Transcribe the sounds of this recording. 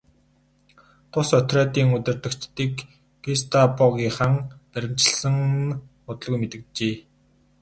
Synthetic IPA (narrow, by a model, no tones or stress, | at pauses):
t̪ʰʊsœt̪ræːt̪iːŋɵt̪ɵ̆r̥t̪ɵ̆kt͡ɕt̪ːiːk | ɡist̪ʰapʊɣʲiːχaŋpæɾʲɪ̆m̥t͡ɕɪ̆ɬsə̆ŋ | ʊt̪̆ɮɣujmet̪ɘ̆kt͡ɕeː